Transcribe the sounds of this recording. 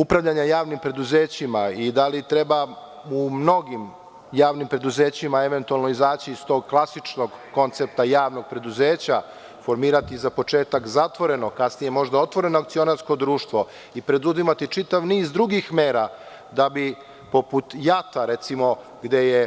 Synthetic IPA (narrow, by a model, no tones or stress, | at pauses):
upɾaʋʎaɲajaːʋnimpɾe̞d̪uzeːt͡ɕimaid̪alit̪ɾeba | umno̞ɡim | jaːʋnimpɾe̞d̪uzeːt͡ɕimaeʋe̞nt̪ualno̞izaːt͡ɕiːst̪o̞ɡ̚klˠasit͡ʃno̞ɡko̞nt̪sep̚t̪ajaːʋno̞ɡ̚pɾe̞d̪uzeːt͡ɕa | fo̞ɾmiːɾat̪izapo̞t͡ʃeːt̪akzat̪ʋo̞ɾe̞nokasnije̞mo̞ʒd̪ao̞t̪ʋo̞ɾe̞noakt̪sio̞naɾsko̞d̪ɾuːʃt̪ʋo̞ | ipɾe̞d̪uzimat̪it͡ʂit̪aʋniːzd̪ɾuɡixmeːɾa | d̪abi | po̞put̪jat̪aɾet̪simo̞ | ɡd̪e̞je